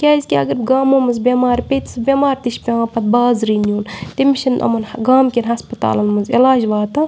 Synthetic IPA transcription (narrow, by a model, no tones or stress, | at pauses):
kʲaːzʲkʲiɐ̰ɡɐɾɡaːmõːmɐzbʲemaːɾʲpʲet̪sɨbʲemaːɾt̪iʃpʲeaːpɐt̪̚baːzɾinuːntimiʃinʔɐ̰mɐnɡaːmkʲinʲɦɐspɐt̪a̰ːlɐnmɐzilaːd͡ʒʋaːt̪ɐ